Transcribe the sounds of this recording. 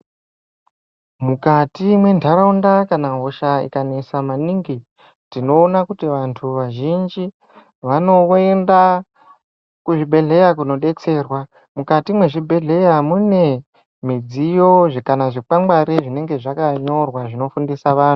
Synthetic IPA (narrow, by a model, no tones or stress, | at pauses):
mukatimwe̞ndʰʱaɾaundakanaɦo̞ʃaḭkanesamaniːŋɡi | tino̞ːnakutiʋantʰuʋaʒind͡ʒi | ʋano̞enda | kuʐibʱe̞ɮe̞jakuno̞ɗe̞t͡se̞ːrwa | mukatimwe̞ʐibʱe̞ɮe̞jamune̞ | mid͡zijo̞ʐekanaʐik͡pambaɾeʐine̞ŋɡe̞ʐakaɲo̞rwaʐino̞fundisaʋaːnu